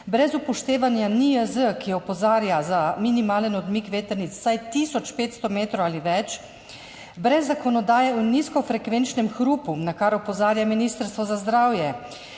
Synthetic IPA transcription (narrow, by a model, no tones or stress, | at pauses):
bɾɛzupɔʃt̪eːʋanjaniəzəkiɔpɔzaːɾjazaminimaːlɛnɔd̪mikʋeːt̪əɾnit̪sːajt̪iːsɔt͡ʃpeːt̪st̪ɔmeːt̪ɾɔwaːliʋɛt͡ʃ | bɾɛzːakɔnɔd̪aːjɛuniskɔfɾɛkʋent͡ʃnɛmxɾuːpunakaɾɔpɔzaːɾjaminiːst̪əɾst̪ʋɔzazd̪ɾaːwjɛ